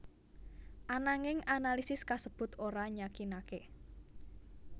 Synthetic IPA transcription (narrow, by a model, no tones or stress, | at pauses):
ʔanaŋɪŋanalisɪskasəb̥ʊ̤t̪oɾaɲakinake